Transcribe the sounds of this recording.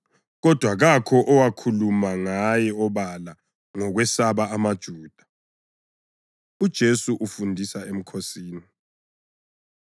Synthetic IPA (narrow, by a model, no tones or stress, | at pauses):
ɣɔd̥ʱwaɣakʰɔʔɔwakʰulumaŋajɛɔβala | ŋɔɣwɛsaβaːmad̥ʒ̥ʱuːd̥ʱḁ | ud̥ʒ̥ʱesuʔufundʱisaem̩kʰosiːni